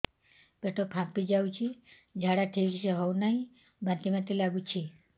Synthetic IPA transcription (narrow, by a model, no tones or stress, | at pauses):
beʈʰopʰãpid͡ʒawt͡ʃʰi | d͡ʒʱaɽaʈʰikiseɦɔwnaɦĩ | bãnt̪imat̪ilaɡut͡ʃʰi